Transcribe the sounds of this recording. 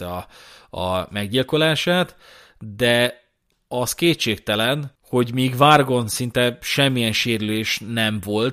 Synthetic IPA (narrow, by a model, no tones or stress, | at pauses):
ɛɒɒ̰mɛɡɟilko̞laːʃaːt̪ | d̪ɛ | ɒskeːt̪t͡ʃːeːk̚t̪ɛlɛn | ho̞ɟmiːɡvaːrɡo̞nsint̪ɛʃɛmːijɛnʃeːɾyleːʃnɛɱvo̞lt̪